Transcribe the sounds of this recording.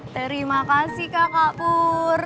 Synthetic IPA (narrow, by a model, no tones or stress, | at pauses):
t̪əɾimakasikakapʊr